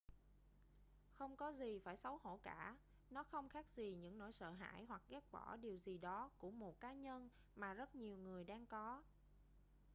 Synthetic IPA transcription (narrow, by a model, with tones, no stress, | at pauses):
xə˧wŋ͡mkɔ˨˦zi˨˩faː˧˩jsə˨˦who̰˧˩kaː˧˩˨ | nɔ˨˦xə˧wŋ͡mxaː˦˥k̚zi˨˩ɲɨ̰˧˥ŋno̰˧˥˩jsə̰ː˧˨ɦa̰ː˧˥˨jɦwa˨˩k̚ɣɛ˦˥p̚ɓɔ̰˧˩ɗi˨˩əwzi˨˩ɗɔ˨˦ku˧˩əmo˨˩t̚kaː˨˦ɲə˧n | maː˨˩zə˦˥t̚ɲi˨˩əwŋɨ˨˩əjɗaː˧ŋkɔ˨˦